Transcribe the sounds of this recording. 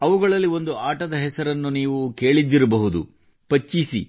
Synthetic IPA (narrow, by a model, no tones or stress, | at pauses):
ɐʋuɡɐɭɐlːiʋo̞nd̪uaːʈɐd̪ɐɦɛsɐɾɐnːuniːʋuke̞ːɭid̪ːiɾɐbɐɦud̪ṵ | pɐt͡ʃːisi